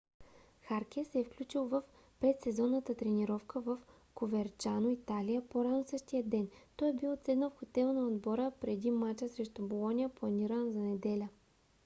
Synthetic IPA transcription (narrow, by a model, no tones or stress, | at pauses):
xaɾkʲɛsɛɛfklʲut͡ʃilˠvəf | pɾɛt̪sɛzɔnːət̪ət̪ɾɛniɾɔfkʰəvəf | kovɛɾt͡ʃanoit̪alijəpoɾanosɤʃt̪ijəd̪ɛnt̪ɔɛbilˠt̪sɛd̪nofxot̪ɛlˠnɐod̪bɔɾəpɾɛd̪imat͡ʃəsɾɛʃt̪ubolˠɔnʲiəplˠɐniɾənzɐnɛd̪ɛlʲə